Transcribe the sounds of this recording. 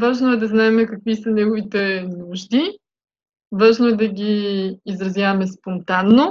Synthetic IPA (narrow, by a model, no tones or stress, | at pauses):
vaʒnoɛd̪ɐznaɛmɛkɐkvisɐnɛɡovit̪ɛnuʒd̪i | vaʒnoɛd̪ɐɡʲiːzɾɐzjavɐmɛspont̪anːo